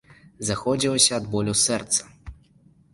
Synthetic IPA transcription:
zaxɔd͡zʲilˠɔsʲɐːd̪bɔlʲusɛrt̪sɐ̥

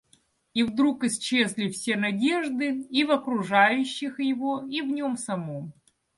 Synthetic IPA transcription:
ivd̪ɾukɨst͡ɕe̞zʲlʲifsʲe̞nɐdʲe̞ʐd̪ɨivɐkɾʊʐajʉɕːɪxjɪvoivnʲomsɐmom

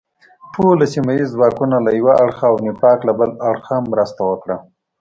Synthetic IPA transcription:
ʈʰolasimajizwaɾkunalajwaʔaɽxaːwnipɑklabəlaɽxamːɾəst̪awəkɽa

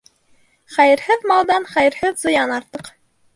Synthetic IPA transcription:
χæjɘ̆ɾhɘðmɑlˠd̪ɑnχæjɘ̆ɾhɘðzŏjɑnɑɾt̪ɤq

